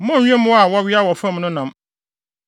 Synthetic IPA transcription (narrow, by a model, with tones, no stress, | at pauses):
mʊ̃˦˨ɲᶣ˦ɛ̃˦mʊ̃˦a˨wɔ˦ɥɪ˦a˦wɔ˨fã˦mnʊ̃˦nã˨m